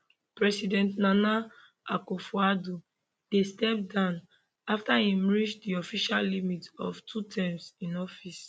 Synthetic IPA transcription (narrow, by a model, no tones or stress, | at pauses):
pɹɛsidɛ̃ntnana | akofuadu | d̥estɛp̚dãʊ̃n | aftaĩmɹit͡ʃdiɔfiʃallimitɔ̰ftʰutʰãmsĩnɔfis